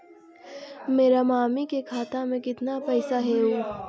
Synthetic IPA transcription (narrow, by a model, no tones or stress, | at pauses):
meːɾamaːmikekʰaːt̪amẽkɪt̪napɛːsaɦɛoː